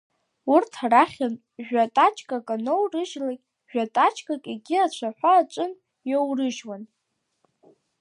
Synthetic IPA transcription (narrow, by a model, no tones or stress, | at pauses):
urtʰaraχʲan | ʒᶣatʼat͡ʃʰʼkʼakʼanowrɨʒlakʲʼ | ʒ̥ᶣatʼat͡ʃʰʼkʼakʼiɡʲiat͡ɕʷʰaħʷaːt͡ʃʷʼɨn | jowrɨʒwan